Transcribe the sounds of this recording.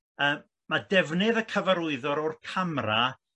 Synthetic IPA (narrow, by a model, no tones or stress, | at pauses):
əːmːadɛvnɨðəkʰəvaɾʊɨðɔɾɔrkʰamra